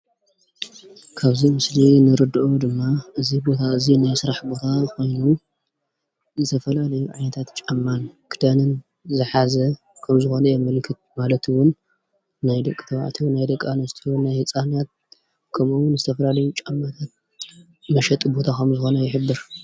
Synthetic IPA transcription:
kʰaβzimɨslinɨɾɨd̪ɨʔod̪ɨmːaʔɨzibo̞t̪ʰaɨzinajsɨɾaħbo̞t̪ʰako̞jnu | zɨt̪ʰɐfɐlalɐjuʕajnɐt̪ʰat̪t͡ʃʼamːankʰɨd̪anɨn | zɨħazɐ | kʰɐmzɨxo̞nɐjɛmɨlkʰɨt̪̚malɐt̪ʰwʊnː | ajd̪ɐkʼːɨt̪ʰɐwa̰ʕt̪ʰiwnajd̪ɐkʼːanɐst̪ʰiwnːajhɨt͡sʼanjat̪̚ | kʰɐmuwʊnzɨt̪ʰɐfɐlalɐjut͡ʃʼamːat̪ʰat̪̚ | mɐʃɐt̪ʼbo̞t̪ʰakʰɐmzɨxo̞nɐjɪħɨbːɨɾ

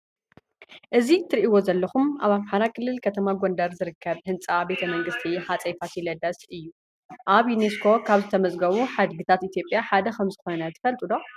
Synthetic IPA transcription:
ʔɨzit̪ʰɨɾiʔiwo̞zɐlːɐxumʔaβamħaɾakʰɨlːɨlkʰɐt̪ʰɐmaɡo̞nd̪ɐɾzɨɾɨkʰːɐβhɨnt͡sʼabe̞t̪ʰɐmɐŋɡɨst̪ʰiħat͡sʼɐjfat̪jilɐd̪ɐsʔɨjːu | ʔaβjuneskʰo̞kʰaβzɨt̪ʰɐmɐzʼɡɐβuħad̪ɡɨt̪ʰat̪it̪jo̞pʼːjaħad̪ɐkʰɐmzɨxo̞nɐt̪ʰɨ̥fɐlt̪ʼud̪o̞

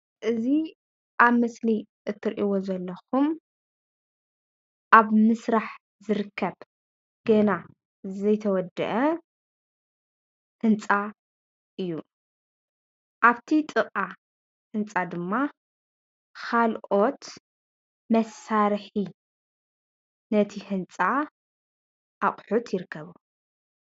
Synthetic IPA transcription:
ʔɨzi | ʔaβmɨsli | ʔɨt̪ʰːɨɾʔiwozɐlːɐxum | ʔaβmɨsɾaħ | zɨɾɨkʰːɐβ | ɡ̥ɐna | zɐjt̪ʰɐwɔd̪ːɐ̰ʔɐ | hɨnt͡sʼa | ʔɨjːu | ʔaβt̪ʰit̪ʼɨqʼa | hɨnt͡sʼad̪ɨmːa | kʰalʔo̞t̪ | mɐsːaɾħi | nɐt̪ʰihɨnt͡sʼa | ʔaχʼħut̪jɪɾɨkːɐβu

